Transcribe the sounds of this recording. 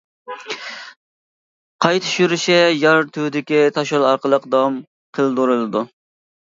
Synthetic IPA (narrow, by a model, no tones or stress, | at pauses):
qʰɑjt̪ʰy̥ʃyɾɪʃɛjɑɾt̪ʰuwd̪ɪkʲit̪ʰɑʃolˠɑɾqəlˠəqd̪ɑm | qʰəlˠd̪uɾɨlˠɨd̪u